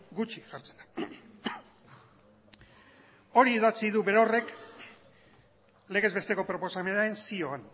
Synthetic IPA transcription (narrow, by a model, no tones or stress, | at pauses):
ɡut͡ʃiʝaɾt͡se̞nd̪a | o̞ɾiːðat͡siðuβe̞ɾore̞k | le̞ɣ̞e̞zβe̞st̪e̞ko̞pɾo̞po̞same̞nae̞nsio̞an